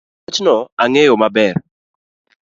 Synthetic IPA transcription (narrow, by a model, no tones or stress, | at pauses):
t͡ʃnɔaŋejomabɛr